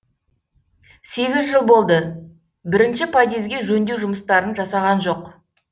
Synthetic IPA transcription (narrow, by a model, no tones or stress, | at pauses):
se̞ɡʲɪzʒəlˠbo̞lˠd̪ə | bɪɾɪnʃɪpʰad̪ezɡʲe̞ʒɵnd̪ewʒʊməst̪ɑɾənʒɑsɑʁɑnʒo̞q